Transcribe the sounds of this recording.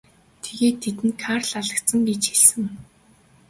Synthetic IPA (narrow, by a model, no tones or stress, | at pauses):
t̪ʰeɣeːt̪ʰːet̪ɘ̆nkʰarɮaɮə̆kt̪sə̆ŋɡet͡ɕxeɮsɘ̆ŋ